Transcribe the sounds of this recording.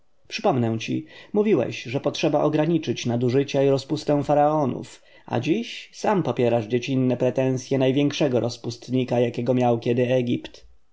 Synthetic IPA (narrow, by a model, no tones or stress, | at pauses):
pʂɘpɔmnɛw̃t͡ɕḭmuvʲiwɛ̰ɕʐɛpɔtʂɛbaʔɔɡɾaɲit͡ʂɘt͡ɕnad̪uʐɘt͡ɕaiɾɔspust̪ɛw̃faɾaɔnṵf | a̰d͡ʑiɕsampɔpʲjɛɾaʐd͡ʑet͡ɕinːɛpɾɛt̪ɛ̃w̃sʲjɛnajvʲjɛŋkʂɛɡɔɾʔɔspust̪ɲikajakʲɛɡɔmʲjawkʲɛd̪ɘɛɡʲipt̪